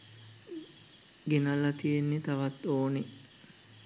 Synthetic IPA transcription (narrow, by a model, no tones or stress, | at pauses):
ɡenɐlɐt̪ijenːet̪ɐʋɐt̪oːne